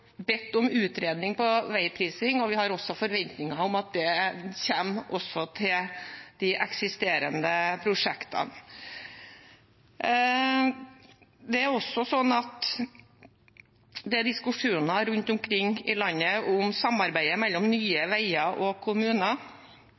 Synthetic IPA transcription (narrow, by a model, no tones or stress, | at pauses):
bɛt̪ːʊmʉːt̪ɾeːd̪nɪŋpɔʋæɪpʰɾiːsɪŋɔʋɪhɑɾɔsːɔfɔɾʋɛnt̪nɪŋɑʊmɑt̪̚d̪ɛçeːmʔɔsɔt̪ʰɪld̪̥ɪʔɛksɪst̪eːɾə̰nd̪əpʰɾʊʂɛkt̪ʰɑ̰n | d̪ɛæɾɔsːɔsɔnːɑt̪ | d̪ɛæd̪ɪskʉʂuːnɑɾʉnt̪ʊmkʰɾɪŋːɪlɑnːəʊmsɑmːɑɾbæɪəmɛlːɔmnyːəʋæɪɑʔɔkʰʊmʉːnɑ